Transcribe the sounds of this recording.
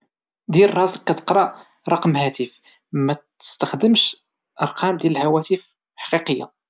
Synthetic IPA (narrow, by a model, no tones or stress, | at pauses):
d̪ilrˤɑsəkːæt̪ə̥qɾˤɑ | ɾˤɑqmhæt̪əf | mæt̪ə̥st̪əxd̪əmʃ | ʔɑɾˤqʰɑmd̪jæləlhæwæt̪əf | ħɑ̥qiqəjːa̰